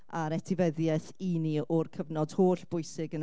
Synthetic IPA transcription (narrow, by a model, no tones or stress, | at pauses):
aɾɛtʰɪvɛðjɛθiniɔrkʰəvnɔd̥hoːɬb̥ʊɨsɪɡən